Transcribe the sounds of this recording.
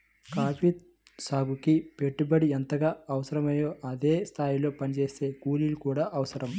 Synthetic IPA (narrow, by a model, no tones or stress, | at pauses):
kaːpit̪̚ | saːɡukipe̞ʈːubɐɽient̪ɐɡaːɐʋɐsɐɾɐmɐjo̞ːʔɐd̪e̞ːst̪ʰaːjilo̞ːpɐnit͡ʃe̞ːse̞ːkuːlilukuːɽaːʔɐʋɐsɐɾɐm